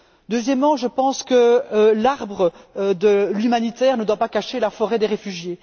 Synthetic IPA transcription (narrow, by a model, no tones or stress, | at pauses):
d̪øzjɛmːɑ̃ʒəpɑ̃skəlaʁbʁəd̪əlymanit̪ɛːʁnəd̪wapakaʃelafɔʁɛd̪eʁefyʒje